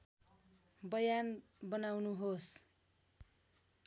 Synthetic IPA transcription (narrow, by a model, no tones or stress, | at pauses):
bʌjanbʌnawnuɦos